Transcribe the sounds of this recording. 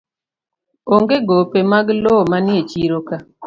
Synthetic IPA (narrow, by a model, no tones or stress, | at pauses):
oŋɡeɡopemaɡlomanjet͡ʃiɾoka